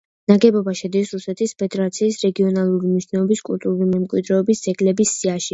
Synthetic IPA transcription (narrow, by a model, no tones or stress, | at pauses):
naɡɛbɔbaʃɛd̪isɾusɛt̪ʰispʰɛd̪ɛɾat̪sʰiːsɾɛɡiɔnalˠuɾimniʃʰnɛɔbiskʼult̪ʼuɾulimɛmkʼwid̪ɾɛɔbisd̪z̥ɛɡlɛbisːiaʃi